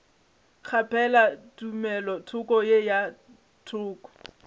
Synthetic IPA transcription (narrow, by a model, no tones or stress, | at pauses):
χʰapʰɛlatumɛlɔtʰʊkʼɔjeja | tʰʊːkɔ̥